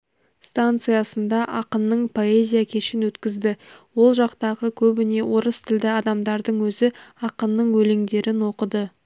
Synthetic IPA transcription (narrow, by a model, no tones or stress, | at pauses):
st̪ant̪sɨjasənd̪ɑʔɑqənːəɴpʰo̞e̞zʲijakʲʰe̞ʃɪnwɵt̪kʲɪzd̪ɪwo̞lˠʒɑqt̪ɑʁəkʲʰɵbɪne̞wo̞ɾəst̪ʰɪld̪ɪɑd̪ɑmd̪ɑɾd̪əɴwɵzɪɑqənːəɴwɵle̞ŋd̪e̞ɾɪnwo̞qəd̪ə